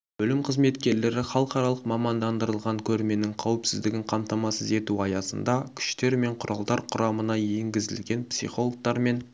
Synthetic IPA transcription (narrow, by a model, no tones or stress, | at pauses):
bɵlɪmqʰəzme̞t̪kʲe̞ɾle̞ɾɪχɑlˠəqɑɾɑlˠəqmɑmɑnd̪ɑnd̪əɾəlˠʁɑŋkʲʰɵɾme̞nɪŋqʰɑwɪpsɪzd̪ɪɡʲɪɴqʰɑmt̪ɑmɑsəze̞t̪uɑjɑsənd̪ɑkʲʰʏ̥ʃt̪e̞ɾme̞ɴqʰʊɾʔɑlˠd̪ɑɾqʰʊɾɑmənɑje̞ŋɡʲɪzɪ̰lɡʲe̞npsḭχo̞lˠok̚t̪ɑɾme̞n